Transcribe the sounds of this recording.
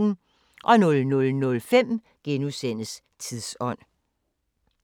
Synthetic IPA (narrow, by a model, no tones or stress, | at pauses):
n̩ | ʔɒ̽nɔ̽lnɔ̽lnɔ̽lfem̰ | ɡ̥enusen̰əs | t͡sʰiðˠsɒ̽n̰